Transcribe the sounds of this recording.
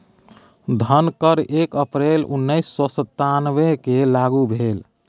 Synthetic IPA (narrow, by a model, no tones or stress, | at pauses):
d̪ʱənkəɾekəpɾelṵnːəisːɔsət̪ːanʋekelaɡubʱel